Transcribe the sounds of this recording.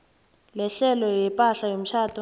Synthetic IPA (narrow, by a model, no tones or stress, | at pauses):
lɛɬɛlɔjɛpʼaɬajom̩ʃʰaːtʰɔ